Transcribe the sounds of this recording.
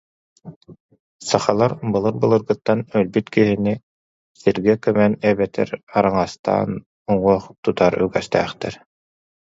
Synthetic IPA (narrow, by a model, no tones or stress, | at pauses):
saχalˠaɾbɯlˠɯɾbɯlˠɯɾɡɯt̪ːanœlbyt̪kiɦini | siɾɡɛkœmɛnɛbɛt̪ʰɛ̰ɾaɾaŋast̪a̰ːn | uŋuɔχt̪ut̪aɾy̰ɡɛst̪æ̰ːχt̪ɛ̰ɾ